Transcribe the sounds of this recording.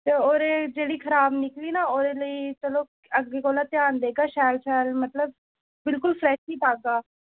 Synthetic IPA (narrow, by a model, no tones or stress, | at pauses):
t̪eːoːɾeːd͡ʒeːɽiːkʰəɾaːbnɪkliːnaːoːɾeːləiːt͡ʃəloː | əɡeːkoːlaːt̪ɪjaːnd̪eːɡaːʃɛːlt͡ʃʰɛːlmət̪ləb̚ | bɪlkʊlfʰɾɛːʃiːpaːɡaː